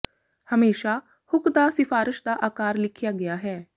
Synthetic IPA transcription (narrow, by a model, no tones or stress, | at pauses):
hɐmeːʃa | hʊkd̪asɪfaːɾɪʃd̪aʔaːkaːɾlɪkʰjaɡɐjaɦɛː